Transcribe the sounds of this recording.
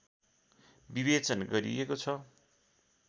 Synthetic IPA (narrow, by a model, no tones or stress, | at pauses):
biβet͡sʌnɡʌɾḭekot͡sʰʌ